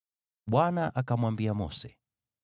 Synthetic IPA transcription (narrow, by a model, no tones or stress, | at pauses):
ɓwanaʔakamwambiamɔsɛ